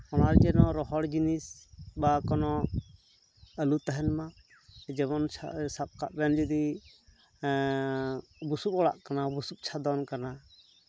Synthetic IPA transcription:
ɔnaɾd͡ʒɛnɔɾɔɦɔɽd͡ʒinisbakɔnɔ | əlut̪aɦɛnma | d͡ʒɛβɔnt͡ʃʰa̰sap̚kaʔbɛnd͡ʒəd̪i | busup̚ɔɽa̰ʔkanabusup̚ˀt͡ʃʰad̪ɔnkana

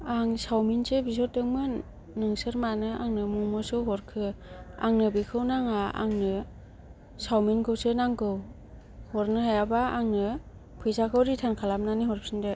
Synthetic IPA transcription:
aŋsawminsɯbis̬ɔt̚dɯŋmɯ | nɯŋsɯɾmanɯaŋnɯmumɯsɯɦɔɾkʰɯa̰ŋnɯbikʰɯwnaŋaa̰ŋnɯ | sawminkʰɯwsɯnaŋkɯw | hɔɾnɯhajabaaŋnɯ | pʰɯjzakʰɯwɾitʰankʰalap̚naniɦɔɾp̚sɯndɯ

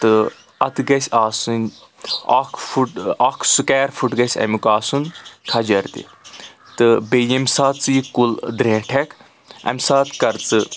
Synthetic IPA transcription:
t̪ɨ | ɐt̪ɡɐsʲaːsunʲ | a̰ːkʰfuʈakʰsukɛːɾfʰuʈɡɐsʲɐ̰mʲukaːsunkʰɐd͡ʒɐɾt̪ḭ | t̪ɨbejemsaːt͡sɨjkuld̪ɾẽːʈʰek | ɐ̰mʲsaːt̪kɐɾt͡sɨ

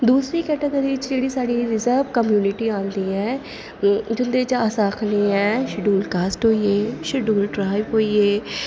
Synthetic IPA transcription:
d̪uːsɾiːkɛːʈə̃d̪eːd̪ɪt͡ʃd͡ʒeːɽiːsaːɖiɾɪzəɾbkəmjuːnɪʈiːãːnd̪iːɛ̃ː | d͡ʒʊnd̪eːt͡ʃaːsaːkʰlĩɛ̃ːʃɪɖuːlkaːsʈɦoːiːeːʃɪɖuːlɖɾaːɪbɦoːieː

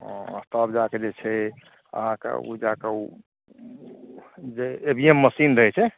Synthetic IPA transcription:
ɔ̃ə̰st̪ʰəbd͡ʒaked͡ʒet͡ʃʰɛ | ə̰ɦãkḛṵd͡ʒakeu | d͡ʒeebiemːəsind̪əɦɛt͡ʃʰɛ

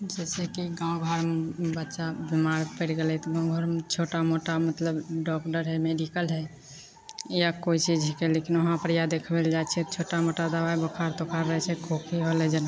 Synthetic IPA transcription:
d͡ʒɛsekiɡãːwɡʱəɾbətːʃabimaːɾpeɽɡelɛt̪oɡãɡʱəɾt͡ʃʰoːʈamoʈamət̪ləbɖɔkʈəɾɦɛmeɖikəlɦɛ | jakoːit͡ʃid͡ʒɦɛkɛleːkinʊɦãpəɾjad̪ekʰbeld͡ʒat͡ʃʰɛt͡ʃʰoːʈamoːʈad̪əʋaibəkʰaːɾt̪okəɾːəɦɛt͡ʃʰɛkʰokʰiɦoled͡ʒən

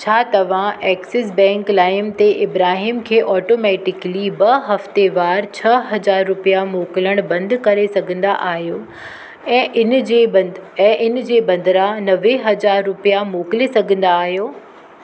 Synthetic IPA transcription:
t͡ɕʰaːt̪ɐʋ̤ãʔɛːksɪs̬bɛ̃ːŋklaːɪmt̪eʔɪbɾaːɦiːmkʰeːʔɔːʈoːmɛːʈɪklibɐɦɐft̪eʋaːɾt͡ɕʰɐɦɐd͡ʑaːɾːʊpijamoːkləɽ̃bɐ̃nd̪kɐɾesɐɡʱə̃nd̪a̰ʔaːɦijoː | ɛ̃ːɪnd͡ʑeːɛ̃ːʔɪn̆d͡ʑeːbɐ̃nd̪ɾanɐʋeɦɐd͡ʑaːɾːʊpijamoːkɪlesɐɡʱə̃nd̪aːɦijoː

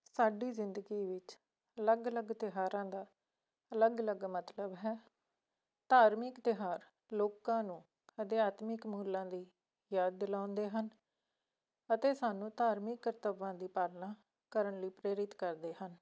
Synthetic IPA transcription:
saːɖiːzɪnd̪əɡiːʋɪt͡ʃ | ələɡələɡt̪ɪɦaːɾãːd̪aː | ələɡələɡmət̪ləbɦɛː | t̪aːɾmɪkt̪ɪɦaːɾ | loːkãːnũː | əd̪ɪaːt̪mɪkmuːlãːd̪iː | jaːd̪̚ːɪlãːʊ̃nd̪eːɦən | ət̪eːsaːnũːt̪aːɾmɪkːəɾt̪əʋãːd̪iːpaːlnãː | kəɾəɳliːpɾeːɾɪt̪kəɾd̪eːhən

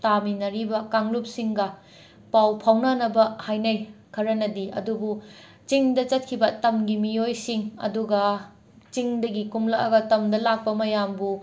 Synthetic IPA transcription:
taminɐɾibɐkaŋlup̚siŋɡɐ | pawpʰawnanɐbɐhajnɐjkʰɐɾɐnɐdiɐ̰dubu | t͡ʃiŋdɐt͡ʃɐt̚kʰibɐtɐmɡimijojsiŋɐ̰duɡɐ | t͡ʃiŋdɐɡikumlɐɐ̰ɡɐtɐmdɐlak̚pɐmɐjambu

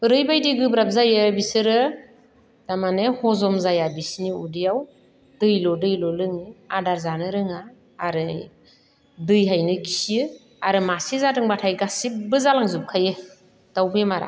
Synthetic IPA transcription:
ɾɯjbajdiɡɯbɾap̚zajɯbisɯɾɯ | damanehɔzɔmzajabisniudijaw | dɯjlɔdɯjlɔlɯŋɯadaɾzanɯɾɯŋaː | ɾɯ | dɯjɦajnɯki̥sɯ | aɾɯmasizatɯŋbatʰajɡasibɯzalaŋzup̚kʰajɯ | d̥awbʰemaɾa̰

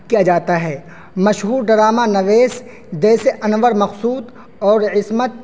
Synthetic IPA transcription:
kijad͡ʒaːt̪aɦɛː | mɐʃɦuːɾɖɐɾaːmanɐʋeːs | d͡ʒɛːseʔɐnʋəɾmɐxsuːd̪ | ɔːɾɪsmət̪̚

